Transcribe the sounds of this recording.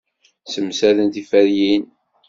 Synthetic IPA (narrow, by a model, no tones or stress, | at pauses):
səmsæðənt̪ifæɾjin